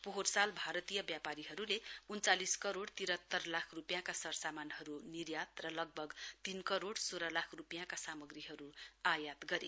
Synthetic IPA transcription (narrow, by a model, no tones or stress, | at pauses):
poɦorsalbʱaɾʌt̪ijʌbjapaɾiɦʌɾuleunt͡saliskʌɾoɽt̪iɾʌt̪ːʌrlakʰrupjãkasʌrsamanɦʌɾunirjat̪rʌlʌɡ̚bʱʌɡt̪inkʌɾoɽsoɾʌlakʰrupjãkasamʌɡɾiɦʌɾuajat̪ɡʌɾe